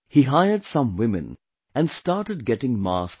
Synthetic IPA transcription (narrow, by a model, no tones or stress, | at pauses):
hiɦaɪə˞d̥sʌ̃mwɪ̃mɨ̰̃n | ɨ̃nstɑɹɾɨd̚ɡɛɾɪ̃ŋmɑ̰s